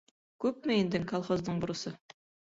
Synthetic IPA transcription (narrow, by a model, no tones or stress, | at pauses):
kʉp̚meend̪ɘŋkolˠχozd̪ɤɴbʊ̆ɾɤ̆sɤ